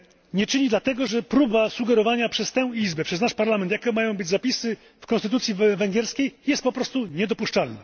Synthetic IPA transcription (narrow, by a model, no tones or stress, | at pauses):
ɲɛt͡ʂɘɲid̪lat̪ɛɡɔʐɛpɾubasuɡɛɾɔvaɲapʂɛst̪ɛw̃izbɛpʂɛznaʂpaɾlamɛnt̪jakɔmajɔ̃w̃bɘd͡ʑzapʲisɘ | fkɔ̃nst̪ɘt̪ut̪sʲjivɛŋɡʲjɛɾskʲejjɛst̪̚pɔpɾɔst̪uɲɛd̪ɔpuʂt͡ʂalna